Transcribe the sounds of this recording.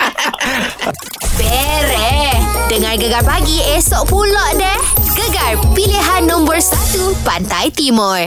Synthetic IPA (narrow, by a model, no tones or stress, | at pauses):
bɛɾɛdəŋãrɡəɡarpaɡiesɔʔpulɔʔdɛhɡəɡarpiliɦanːɔ̃mbərsat̪upant̪ajt̪imɔ̃r